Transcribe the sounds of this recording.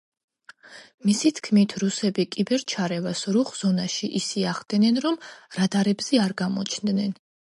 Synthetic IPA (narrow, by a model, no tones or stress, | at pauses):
misit̪ʰkʰmit̪ʰɾusɛbikʼibɛɾt͡ʃʰaɾɛvasɾuχz̥ɔnaʃiʔisiaχd̪̥ɛnɛnɾɔmɾad̪aɾɛbz̥ɛaɾɡamɔ̰t͡ʃʰnd̪nɛn